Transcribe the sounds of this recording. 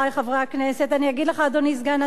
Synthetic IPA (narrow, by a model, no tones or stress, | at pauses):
ajχavʁakneset̪aniaɡid̪leχad̪onisɡana